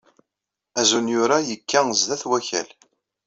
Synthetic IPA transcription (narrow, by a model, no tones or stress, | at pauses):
æzunjʊɾajəkʰːæzðæθwæçæ̰l